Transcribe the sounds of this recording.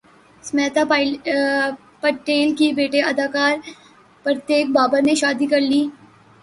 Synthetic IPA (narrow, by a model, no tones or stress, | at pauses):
smɛːt̪a | pɐʈeːlkibeːʈeɐd̪ʱaːkaːɾ | pɾət̪jeːk̚baːbaneʃaːd̪ikɐɾliː